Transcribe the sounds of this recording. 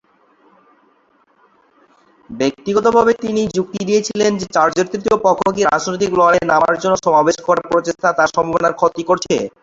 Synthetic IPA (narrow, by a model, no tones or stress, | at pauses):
bek̚t̪iɡot̪obʱabet̪inid͡ʑuk̚t̪id̪iet͡ɕʰilend͡ʑet͡ɕaɾd͡ʑoɾt̪ɾit̪iopɔkʰːokiɾa̰d͡ʑnojt̪iklɔlenamaɾd͡ʑonːoʃɔmabeʃkɔɾaɾpɾot̪eʃt̪ʰat̪aɾʃɔmbabonaɾkʰot̪ikoɾt͡ɕʰḛ